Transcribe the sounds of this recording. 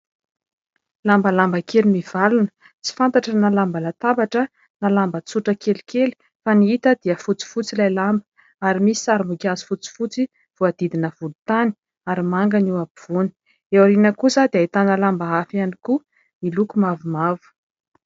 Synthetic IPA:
lambalambəkelimiv̥alunə̥ | t͡si̥fant̪aʈ͡ʂənalambəlat̪abaʈ͡ʂə | nalambət͡suʈ͡ʂəkeli̥keli̥ | faniit̪əd̪iəfut͡si̥fut͡silajlambə̥ | aɾimisi̥saɾimukʲazi̥fut͡si̥fut͡si | v̥uad̪̥id̪inəvulut̪ani̥ | aɾimaŋɡaniwabiv̥uni̥ | ewaɾinəkuzad̪ait̪analambaafianiku | milukumavumavu̥

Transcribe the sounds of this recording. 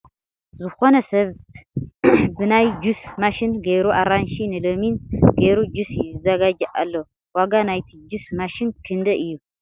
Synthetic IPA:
zɨxo̞nɐsɐβ | bɨnajd͡ʒusmaʃinɡejɾuʔaɾanʃinɨlominɡeɾud͡ʒusjɪzɨzɐɡad͡ʒɐʔa̰lːo | waɡanajt̪ʰid͡ʒusmaʃinkʰɨnd̪ɐʔɨjːu

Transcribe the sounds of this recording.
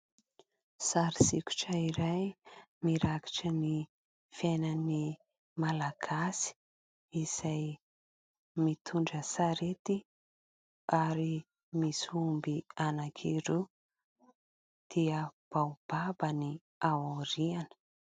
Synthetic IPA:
saɾisikʲu̥ʈ͡ʂəiɾajmiɾaki̥ʈ͡ʂəni | fenəni | malaɡ̥asi̥ | iz̥aj | mit̪ʰuɳɖ͡ʐəsaɾet̪i | aɾi | misumbianakʰiɾu | d̪̥iəb̥awb̥abəni | awuɾianə̥

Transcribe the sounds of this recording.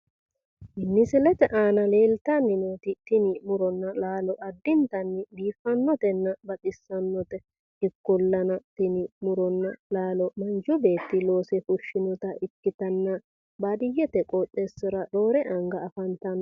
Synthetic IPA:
ʔɪnːɪsɪlɛt̪ɛʔaːnɐle̞ːlt̪ɐnːɪnoːt̪ɪt̪ɪnɪmʊɾɔnːɐlaːlɔʔɐd̪ːɪnt̪ɐnːɪbiːfːɐnːɔt̪ɛnːɐbɐt̪ʼɪsːɐnːɔt̪ɛ | ɪkːʊlːɐnɐt̪ɪnɪmʊɾɔnːɐlaːlɔmɐnd͡ʒʊbe̞ːt̪ːɪlo̞ːsɛfʊʃːɪnɔt̪ɐʔɪkːɪt̪ɐnːɐ | baːd̪ɪjːɛt̪ɛkʼotːesːɪɾɐɗoːɾɛʔɐŋɡɐːfɐnt̪ɐn

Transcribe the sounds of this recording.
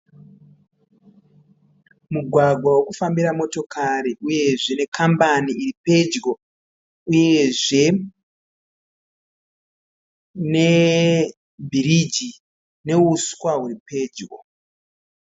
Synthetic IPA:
muɡʱwaɡʱwawokufambiɾamo̞to̞kʰaɾiʔuje̞ʐene̞kʰambaniiripe̞d͡ʒɡo | uje̞ʐe̞ | ne̞ | bʱiɾid͡ʒi | ne̞uskwaɦuɾipe̞d͡ʒɡo̰

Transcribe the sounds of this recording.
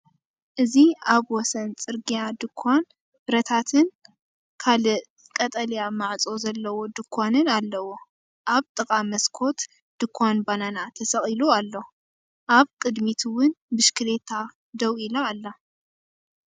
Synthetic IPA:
ʔɨziaβwɔsɐnt͡sʼɨɾɡijad̪ɨkʰːʷan | bɾɐt̪ʰat̪ʰɨn | kʰalɨ | kʼɐt̪ʼɐljamaʕt͡sʼo̞zɐlːɐwo̞d̪ɨkʰʷːanɨnalːɐwo̞ | ʔaβt̪ʼɨkʼamɐskʰo̞t̪ | d̪̥ɨkʰːʷanbananat̪ʰɐsɐχʼilualːo | ʔaβkʼɨd̪mit̪ʰuwʊnbɨʃkʰɨlet̪ʰa | d̪ɐwilɐalːa

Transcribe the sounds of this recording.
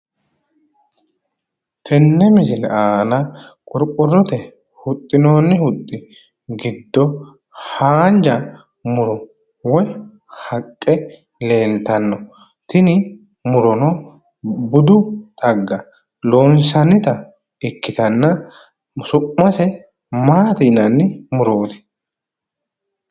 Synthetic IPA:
t̪ʰɛnːɛmɪsɪlɛ̰ʔaːnɐkʼʊɾkʼːʊrːɔt̪ɛ | hʊt̪ʼːɪno̞ːnːɛhʊt̪ʼːɪ | ɡɪd̪ːɔ | haːnd͡ʒɐ | mʊɾɔ | wɔj | hɐkʼːɛ | le̞ːnt̪ɐnːɔ | t̪ɪnɪ | mʊɾɔnɔ | bʊd̪ʊt̪ʼɐɡːɐ | loːnsɐnːɪt̪ɐ | ɪkːɪt̪ɐnːɐ | sʊmɐsɛ | maːt̪iːnɐnːɪmʊɾoːt̪ɪ̥

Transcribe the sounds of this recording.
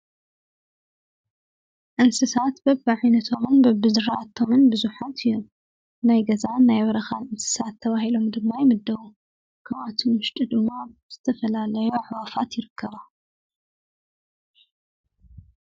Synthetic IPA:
ʔɨnsɨsat̪bɐbːɨʕajnɐt̪ʰo̞mɨnbɐbɨzɨɾat̪ʰomɨnbɨzuħat̪ju | najɡɐzanajβɐɾɐxanʔɨnsɨ̥sat̪ʰːɐβahilo̞md̪ɨmːajemɨd̪ːɐwu | kʰɐβat̪ʰimɨʃt̪ʼid̪ɨmːaz̥ɨt̪ʰɐfɐlalɐjuʕwafat̪jɪɾɨkʰːɐβa

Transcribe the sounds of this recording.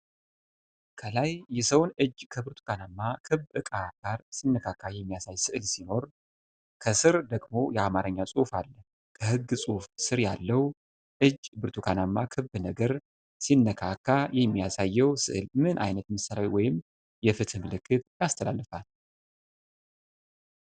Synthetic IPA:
kʰəlajːɛsəwnɨd͡ʒkʰəbɨɾt̪ʰu̥kʰanamːakʰɨβʔɨkʼaɡ̥aɾsinːəkʰakʰːajɛmːijasajsɨʔɨlsino̞ɾ | kʰəsɨɾd̪əɡmo̞jɛamaɾəɲːasʼufalːə | kʰəhɨɡːsʼufsɨɾjalːəw | ʔɨd͡ʒːbɨɾt̪ʰukʰanamːakʰɨbɨnəɡəɾ | sinːəkʰakʰːajɛmːijasajːɛwsɨ̰ʔɨlmɨnʔa̰jnət̪məsːalawiwɔjɪm | jɛfɨt̪ʰɨmɨlɨkːɨt̪jast̪ʰəlalːəfal

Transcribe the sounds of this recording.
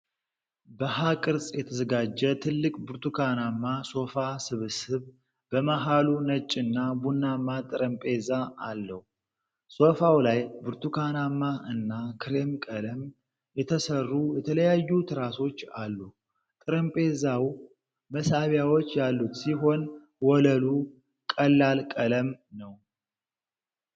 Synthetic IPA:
bəɦakʼɨɾsʼjɛt̪ʰəzəɡad͡ʒːɛt̪ʰɨlːɨkʼbɨɾt̪ʰukʰanamːaso̞fasɨβɨsɨβ | b̥əmaɦalunət͡ʃʼːɨnːabunːamːat̪ʼɨɾəmpʼe̞zaalːəhu | so̞fawlajbɨɾt̪ʰukʰanamːaʔɨnːakʰɨɾe̞mkʼələm | jɛt̪ʰəsərːujɛt̪ʰələjajːut̪ʰɨɾaso̞t͡ʃːalːu | t̪ʼɨɾəmpʼe̞zaw | məsaβjawot͡ʃːjalːut̪siɦo̞n | wɔləlu | kʼəlːalkʼələmnəw

